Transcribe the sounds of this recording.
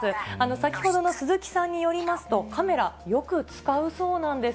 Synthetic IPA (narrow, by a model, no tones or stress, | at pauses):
ɨano̞sakʲi̥ho̞d̪o̞no̞sɨzɨkʲi̥sãɲ̟ːijo̞ɾʲimasɨ̥t̪o̞kame̞ɾajo̞kɯ̟t͡sɨ̥kaɯ̟so̞ːnãnd̪e̞